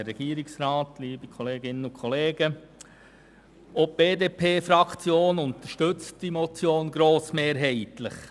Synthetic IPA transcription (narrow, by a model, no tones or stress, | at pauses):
ɾɛɡ̥iːəɾɪksɾɑːtliːbikʰɔleːɡɪnəʊkʰɔleːɡ̥ə | ɔp̚b̥eːdeːpʰeːfɾɑkʰt͡sjoːnʊnt̪əɾʃtʏt͡std̥imɔt͡sjoːnɡɾoːsmeːɾɦɛɪtləχ